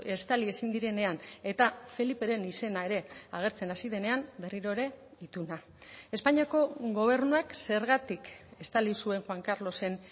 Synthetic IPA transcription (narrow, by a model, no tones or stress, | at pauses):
e̞st̪alie̞sind̪iɾe̞ne̞ane̞t̪afe̞lipe̞ɾe̞nise̞nae̞ɾe̞aɣ̞e̞ɾt͡se̞nasiðe̞ne̞ambe̞riɾo̞eɾe̞it̪una | e̞spaɲiako̞ɣo̞β̞e̞ɾnuakse̞ɾɣat̪ike̞st̪alisue̞ŋxwaŋkaɾlo̞se̞n